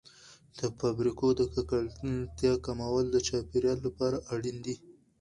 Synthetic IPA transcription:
d̪̥əfabɾikod̪əkakalt̪jɑkamawəld̪ət͡ʃɑpeɾjɑlːapɑɾaʔaɽind̪i

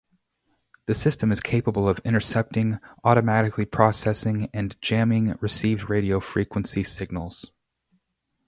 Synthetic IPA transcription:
ðɨsɪstɨ̃mɨz̥kʰeɪpəbl̩ˠʌvɪ̃ɾ̃ə˞sɛp̚tɪ̃ŋɔɾɨmæɾɨklipʰɹ̥ɑsɛsɪ̃ŋɨ̃nd͡ʒæ̃mɪ̃ŋɹɨsivd̚ɹeɪɾioʊfɹikwə̃nsisɪɡ̚nl̩ˠz̥

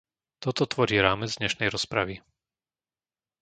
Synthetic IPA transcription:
t̪ɔt̪ɔt̪ʋɔɾiːɾaːmɛd͡zd̪ɲɛʃnɛjɾɔspɾaʋi

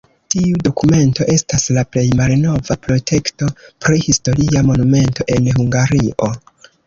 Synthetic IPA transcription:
tiudo̞kume̞nto̞ʔe̞staslaple̞jmalno̞vapɾo̞tʰe̞kto̞pɾihisto̞ɾiamo̞nume̞nto̞ʔe̞nɦuŋɡaɾiʔo

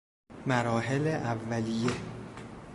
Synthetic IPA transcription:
mæɾɒːɦeleʔævːælije

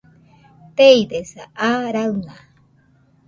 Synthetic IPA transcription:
t̪ejd̪esaʔaɾawŋa

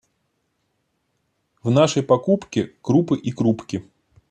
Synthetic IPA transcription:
vnaʂəjpɐkupkʲɪkɾupɨʔikɾupkʲɪ

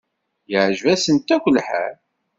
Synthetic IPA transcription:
jəʕʒvæsənt̪ækʷəlħæ̰ɾ

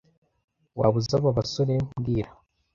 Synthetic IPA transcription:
wa̰βuzaβaβasoɾebɡiːɾa

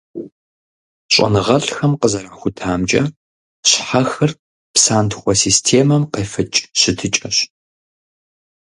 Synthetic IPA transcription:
ɕʷʼɐ̰nɨʁɐɬxɐmqəzɐɾaːxʷʊtʰaːmt͡ʃʼɐ̰ | ɕħaxɨr | psaːntʰxʷɔsiːstʰeːmɐmqeːfɨt͡ʃʼɕɪtʰɨt͡ʃʼɐɕ

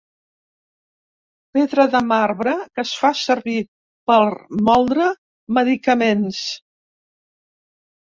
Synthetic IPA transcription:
peðɾəðəmarβɾəkəsfasəɾβi | pəlmɔlˠd̪ɾə | məðikəmens

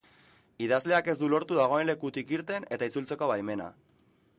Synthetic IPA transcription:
iðazle̞ake̞zd̪ulo̞ɾt̪uðaɣ̞o̞e̞nle̞kut̪ikiɾt̪e̞ne̞t̪ait͡sult͡se̞ko̞βajme̞na̰

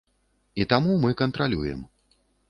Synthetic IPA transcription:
it̪amumɨkɐnt̪ɾalʲujɛ̰m

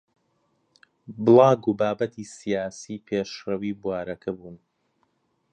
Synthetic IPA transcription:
bɨlˠɑːɡubaːbɐt̪ʰiːsijaːsiːpʰeːʃrɐwiːbuwaːɾɐkʰɐbuːn

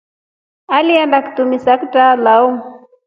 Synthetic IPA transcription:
aliandakt̪umisakitalau

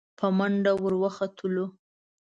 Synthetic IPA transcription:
pʰəmaɳɖawəɾwəxat̪ʰəlo

